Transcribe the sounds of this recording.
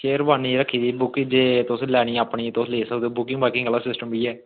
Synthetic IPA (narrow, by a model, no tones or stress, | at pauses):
ʃeːɾbaːniːɾəkʰːiːd̪iːbʊkːɪd͡ʒeːt̪ʊslɛːɽ̃iːəpɳĩːt̪osleːsəkd̪eːbʊkːɪ̃ŋbaːkɪ̃ŋɡəlaːsɪsʈəmbiːɛː